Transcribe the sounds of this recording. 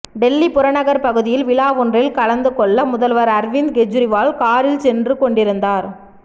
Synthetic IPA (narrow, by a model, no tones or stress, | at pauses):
ɖɛlːipʊɾɐnɐɣɐɾpɐɣɯðɪjɪlʋɪɭaːʋɔndrɪlkɐlɐnd̪ɯkɔɭːɐmʊðɐlʋɐɾɐɾʋɪnd̪ɡɛd͡ʒɾɪʋaːlkaːɾɪlsɛndrɯkɔɳɖɪɾɯnd̪aːɾ